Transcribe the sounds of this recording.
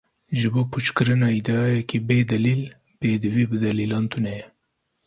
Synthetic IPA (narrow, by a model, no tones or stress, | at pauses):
ʒɨboːpʰut͡ʃkɨɾɨnɑːid̪ɛɑːjɛkʰibeːd̪ɐlil | b̥eːd̪ɨwibɨd̪ɐliːlɑːnt̪ʰunɛjɛ